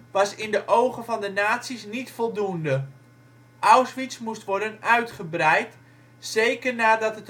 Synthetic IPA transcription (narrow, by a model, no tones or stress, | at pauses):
ʋɑsɪndəʔowχənvɑndənaːtsisnitfɔlˠdundə | ʔawsʋismustʋɔɹdənœɥtχəbrɛjt | sejkərnaːdɑtɦət